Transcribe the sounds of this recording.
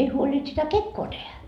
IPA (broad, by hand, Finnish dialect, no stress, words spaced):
ei huolʲint sitæ kekːoː tehæ